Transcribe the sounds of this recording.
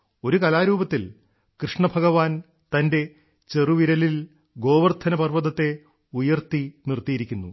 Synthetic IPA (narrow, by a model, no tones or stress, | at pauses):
o̞ɾukɐlaːɾuːbɐt̪ːil | krɨʂɳɐbʱɐɣɐʋaːn | t̪ɐnde̞ | t͡ɕe̞ruʋiɾɐlil | ɡo̞ːʋɐrt̪ʰɐnɐpɐrʋɐðɐt̪ːe̞ | ujɐrt̪inirt̪ijiɾikʲːunːṵ